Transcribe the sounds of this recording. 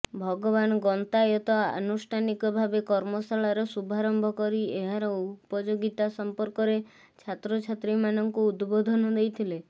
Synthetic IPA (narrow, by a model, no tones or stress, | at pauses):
bʱɔɡɔβanɔɡɔnt̪ajɔt̪ɔa̰nusʈʰanikɔbʱabekɔɾmɔsaɭaɾɔsubʱaɾɔmbʱɔkɔɾieɦaɾɔupɔd͡ʒoɡit̪asɔmpɔɾkɔɾe | t͡ʃʰat̪ɾɔt͡ʃʰat̪ɾimanɔŋkuːd̪bod̪ʱɔnɔd̪ejt̪ʰile